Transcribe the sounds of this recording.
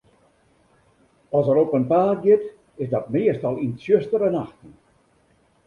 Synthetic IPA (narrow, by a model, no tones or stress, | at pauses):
ɔsəɾopənpaːt̚ɡɪt | ɪsdɔt̚mɪəstɔlˠinsjøstəɾənaxtən